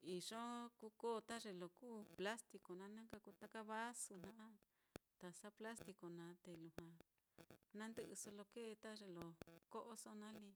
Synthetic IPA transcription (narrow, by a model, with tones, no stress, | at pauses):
i˨ʂõ˦ku˧˦koː˦˨˧t̪a˦ʐe˨lo˨kuː˦pla˦st̪i˧ko˨nã˧˦nã˦ka˧ku˧t̪a˦ka˦βa˦su˧nnã˦ʔa˦ | t̪a˧sa˦pla˦st̪i˧ko˨nã˨˦t̪e˨lu˨hã˨˧ | nã˦nd̪ɨ˧ʔɨ˧so˧lo˧ke˦˧t̪a˦ʐe˧lo˨ko˦ʔo˦so˦nã˦li˧